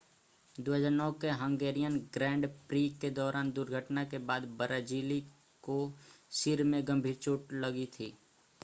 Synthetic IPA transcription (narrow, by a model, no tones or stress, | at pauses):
d̪oːɦəd͡ʒaːɾnɔːkeɦə̃ŋɡeːɾijənɡɾɛ̃ːɳɖpɾiːkːed̪ɔːɾʔaːnd̪ʊɾɡʱəʈnakebaːd̪bəɾaːd͡ʒiːli | kosɪɾmẽɡə̃mbʱiːɾt͡ʃoːʈləɡit̪ʰiː